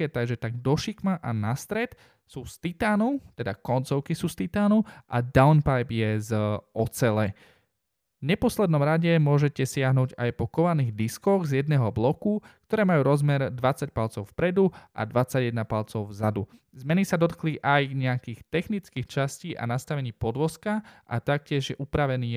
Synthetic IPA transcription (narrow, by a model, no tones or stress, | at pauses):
ɛt̪aɡʒɛt̪aɡd̪ɔʃikmaʔanast̪ɾɛt̪ | suːst̪it̪aːnut̪ɛd̪akɔnt͡sɔʊkisuːst̪it̪aːnuʔa̰d̪aʊnpajbjɛzɔt͡sɛlɛ | vɲɛpɔslɛd̪nɔmɾaɟɛmʊɔʒɛcɛsɪaɦnuːɟa̰jpɔkɔʋaniːɣd̪iskɔɣzjɛd̪̚nɛːɦɔblɔkukt̪ɔɾɛːmajuːɾɔzmɛɾd̪ʋat͡sac̚palt͡sɔʊfpɾɛd̪uʔa̰d̪ʋat͡saɟjɛd̪napalt͡sɔʊvzad̪u | zmɛnisad̪ɔt̪kliʔajɲɛakiːxt̪ɛxnit͡skiːxt͡ʃasciːʔa̰nast̪aʋɛɲiːpɔd̪ʋɔskaʔa̰t̪ak̚cɪɛʒjɛʔupɾaʋɛniː